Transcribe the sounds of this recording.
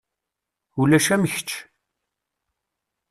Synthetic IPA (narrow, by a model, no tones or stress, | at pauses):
ulæʃæməçə̥t͡ʃː